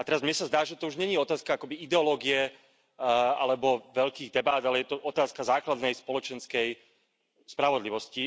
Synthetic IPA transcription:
at̪ɛɾazmɲɛsazd̪aːʒɛt̪ɔuʒɲɛɲiɔt̪aːskaakɔbiid̪ɛɔlɔːɡiɛ | a̰lɛbɔʋɛʎkiːɣd̪ɛbaːd̪alɛjɛt̪ɔʔɔt̪aːskazaːklad̪nɛjspɔlɔt͡ʃɛnskɛj | spɾaʋɔd̪liʋɔsci

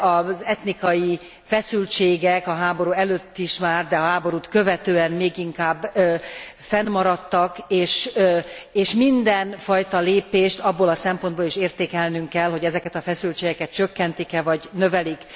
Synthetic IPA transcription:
ɒzɛt̪nikɒji | fɛsylt͡ʃeːɡɛkɒɦaːbo̞ɾuːɛløːt̪ːiʃmaːrd̪ɛɒɦaːbo̞ɾuːt̪kø̞vɛt̪øːɛnmeːɡiŋkaːbː | fɛnmɒɾɒt̪ːɒkeːʃ | eːʃmind̪ɛnfɒjt̪ɒleːpeːʃt̪ɒbːolɒsɛmpo̞nd̪boliʃeːrt̪eːkɛlnyŋkɛlɦo̞ɟɛzɛkɛt̪ɒfɛsylt͡ʃeːɡɛkɛt̪̚t͡ʃø̞kːɛnt̪ikɛvɒɟnø̞vɛlik

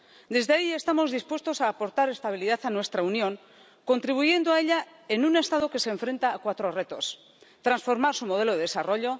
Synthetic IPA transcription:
d̪e̞zðeaie̞st̪amo̞zðispwe̞st̪o̞saːpo̞ɾt̪aɾe̞st̪aβ̞iliðaθanwe̞st̪ɾaunjo̞ŋ | ko̞nt̪ɾiβ̞uʝe̞nd̪oae̞ʎa | e̞nune̞st̪aðo̞ke̞seːɱfɾe̞nt̪aːkwat̪ɾo̞re̞t̪o̞s | t̪ɾansfo̞ɾmaɾsumo̞ð̞e̞loðe̞ðesaro̞ʎo̞

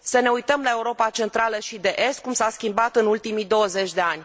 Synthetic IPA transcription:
səne̞ujt̪əmlae̞uɾo̞pat͡ʃe̞nt̪ɾaləʃid̪e̞ʔe̞st̪̚kumsaskʲimbat̪ɨnult̪imid̪o̞əze̞t͡ʃʲd̪e̞anʲ

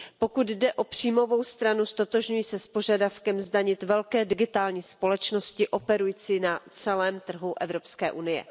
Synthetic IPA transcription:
po̞kud̪dɛʔo̞pr̝̥iːmo̞vo̞wst̪ɾanust̪o̞t̪o̞ʒɲujiːsɛspoʒadafkɛmzdaɲɪt̪vɛlkɛːdɪɡɪt̪aːlɲiːspo̞lɛt͡ʃno̞scɪʔo̞pɛɾujit͡sinat͡sɛlɛːmt̪r̩ɦuʔɛvɾo̞pskɛːʔunɪjɛ̰

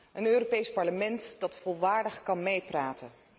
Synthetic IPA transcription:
ʔənøːropejspɑɹləmɛntd̥ɑtfɔlˠʋaːɹdəχkɑnmejpraːtən

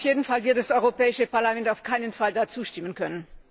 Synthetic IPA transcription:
fjeːdn̩falvɪɐtdasɔʏʁopɛːɪʃəpaɐlamɛntaʊfkʰaɪnənfaldat͡suːʃtɪmənkʰœnən

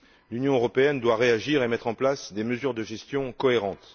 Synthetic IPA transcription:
lynjɔ̃øʁɔpeɛnd̪waʁeaʒiʁemɛt̪χɑ̃plasd̪eməzyʁd̪əʒɛst̪jɔ̃kɔeʁɑ̃t̪

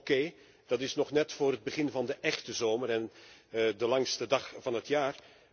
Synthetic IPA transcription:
keː | d̥ɑtɪsnɔχnɛtfʊːɾəd̚bəχɪnvɑndəʔɛχtəzoːməɾɛndəlɑŋstədɑχvɑnɦətjaːr

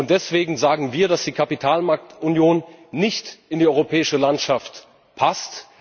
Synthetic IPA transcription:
ʊnt̚d̥ɛsv̥eːɡŋ̩zaːɡŋ̩viːɐɾasd̥iːkʰapitʰaːlmaɐk̚tʊnjoːnːɪçtɪndiːʔɔʏʁopʰɛːɪʃəlantʃaft | pʰast

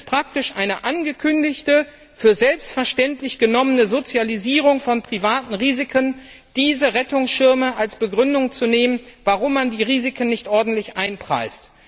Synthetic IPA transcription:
spʁ̥ak̚tɪʃʔaɪnəʔanɡəkʰʏndɪçtə | fyːɐzɛlpstfɛɐʃtɛntlɪçɡ̥ənɔmənəzot͡sjaliziːʁ̞ʊŋfɔnpʁ̥ivaːtn̩ʁiːzɪkʰən | d̥iːzəʁɛtʊŋsʃɪɐməʔalsb̥əɡʁʏndʊŋt͡suneːmənvaʁʊmːandiːʁiːzɪkʰən̩ːɪçtʔɔɐdn̩tlɪçʔaɪnpʁ̥a̰ɪst

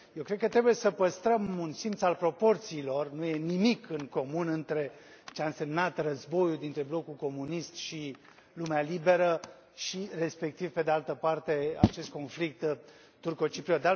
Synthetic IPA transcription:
jewkɾed̪̚kət̪ːɾebuje̞səpəst̪ɾəmunsint̪salpɾo̞po̞rt̪siːlo̞rnuje̞nimikɨŋko̞munɨnt̪ɾe̞t͡ʃeaɨnse̞mnat̪rəzbo̞juld̪int̪ɾe̞blo̞kulko̞munist̪ʃi | lumealibe̞ɾə | ʃire̞spe̞k̚t̪ivpe̞d̪e̞alt̪əpart̪e̞a̰t͡ʃe̞st̪̚ko̞nflik̚t̪ | t̪urko̞t͡ʃipɾiot̪d̪a

